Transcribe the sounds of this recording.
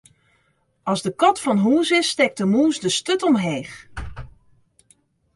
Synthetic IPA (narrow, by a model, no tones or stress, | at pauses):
ʔɑzdəkɔtfɑnɦuːsɪstɛk̚təmuːsdəstøtɔmɦeːx